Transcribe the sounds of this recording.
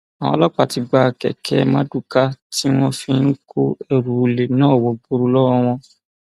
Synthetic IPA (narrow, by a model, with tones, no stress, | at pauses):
a˨w̃ɔ̰̃˧lɔ˦k͡pa˨ti˧ɡ͡ba˧kɛ̰˨kʰɛ̰˨˦mã˦du˦˨ka˦ti˦w̃ɔ̃˧fĩ˧n̩˦ko˦e˦˨ɾu˨le˨nãː˦˨wɔ˨bu˧ɾu˧lɔ˦ɔ̃˦˧w̃ɔ̃˧